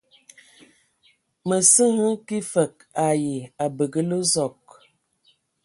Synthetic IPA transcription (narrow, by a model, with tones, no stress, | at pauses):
mə˨sə˦ŋə˦ki˦fə˨k̚ | a˨ji˨a˨bə˨ɡə˦lə˦zɔ˨k̚